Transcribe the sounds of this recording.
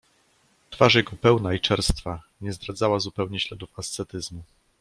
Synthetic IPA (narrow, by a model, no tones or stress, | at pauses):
t̪faʂjɛɡɔpɛwnait͡ʂɛɾst̪fa | ɲɛzd̪ɾad̪zawazupɛwɲɛɕlɛd̪ufast̪sɛt̪ɘzmu